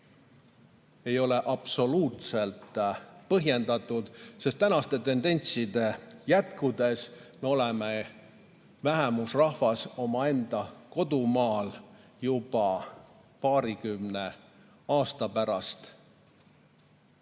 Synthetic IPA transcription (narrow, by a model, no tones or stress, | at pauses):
e̞jo̞le̞ʔɑpso̞luːt̪se̞lt̪ˑpɤɦje̞nd̪̥ɑt̪ːˑud̪̥sest̪ːænɑst̪e̞t̪e̞nd̪e̞nʲt̪sid̪e̞jæt̪kud̪e̞sme̞o̞leme | væɦemusrɑhvɑso̞mɑe̞nd̪̥ɑko̞d̪̥umɑːljub̥ɑ | pɑːɾikymne̞ | ɑːst̪ɑpæɾɑst̪